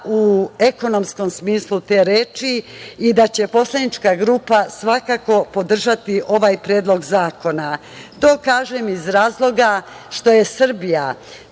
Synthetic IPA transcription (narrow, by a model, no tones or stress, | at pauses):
ue̞ko̞no̞msko̞msmiːslˠut̪e̞ːɾeːt͡ʃiid̪at͡ɕe̞po̞slˠad̪nit͡ʃkaɡɾuːpasʋakako̞po̞d̪r̩ʒat̪iʔo̞ʋaːjpɾeːd̪lˠo̞ɡzaːko̞na | t̪o̞ːkaːʒemizɾaːzlˠo̞ɡa | ʃt̪o̞jesr̩bija